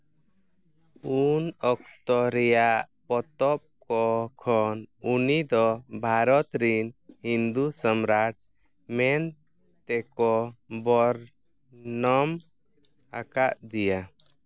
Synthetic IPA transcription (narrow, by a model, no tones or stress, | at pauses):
unɔk̚t̪ɔɾɛjaʔ | pɔt̪ɔp̚kɔkʰɔnunid̪ɔbʱaɾɔt̪ɾinhind̪usəmɾaʈ̚ | mɛn | t̪ɛkɔbɔɾ | nɔm | a̰kaʔd̪ija